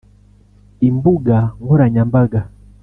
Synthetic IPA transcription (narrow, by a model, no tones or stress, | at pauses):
imbuɡaŋɡɔɾaɲambaɡa